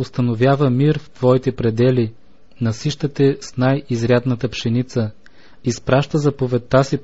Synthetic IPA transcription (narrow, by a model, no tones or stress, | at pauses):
ost̪ɐnovʲjavəmiɾft̪vɔit̪ɛpɾɛd̪ɛli | nɐsiʃt̪ət̪ɛsnajizɾʲjad̪nət̪əpʃɛnit̪sə | ispɾaʃt̪əzɐpovɛt̪ːasi